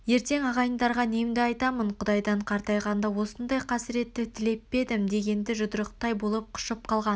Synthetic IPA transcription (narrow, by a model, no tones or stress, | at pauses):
je̞ɾt̪e̞ŋɑʁɑjənd̪ɑɾʁɑne̞md̪ɪɑjt̪ɑməɴqʰʊd̪ɑjd̪ɑɴqʰɑɾt̪ɑjʁɑnd̪ɑwo̞sənd̪ɑjqʰɑsɪɾe̞t̪ːɪt̪ʰɪle̞pːe̞d̪ɪmd̪e̞ɡʲe̞nd̪ɪʒʊd̪əɾəqt̪ɑjbo̞lˠəp̚qʰʊ̥ʃəp̚qʰɑlˠʁɑn